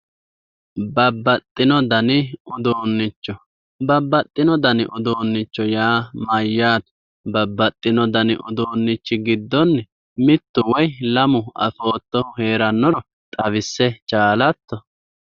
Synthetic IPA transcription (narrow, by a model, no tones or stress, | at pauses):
bɐbːɐt̪ʼːɪnɔd̪ɐnɪɔd̪oːnːɪt͡ʃːɔ | bɐbːɐt̪ʼːɪnɔd̪ɐnɪ̰ʔɔd̪oːnːɪt͡ʃːɔjaːmɐjːaːt̪ | bɐbːɐt̪ʼːɪnɔd̪ɐnɪʔɔ̰d̪oːnːɪt͡ʃːɪɡɪd̪ːɔnːɛ | mɪt̪ːʊwɔjlɐmʊɐ̰fo̞ːt̪ːɔʊhe̞ːɾɐnːɔɾɔ | t̪ʼɐβɪsːɛt͡ʃʼaːlɐt̪ːɔ